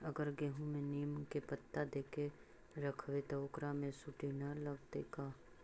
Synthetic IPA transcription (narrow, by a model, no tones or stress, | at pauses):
ɐɡəɾɡeːɦũmẽniːmkepət̪ːad̪eːke | ɾəkʰʋet̪ɐʊkɾamẽsʊʈinaləɡt̪ekaː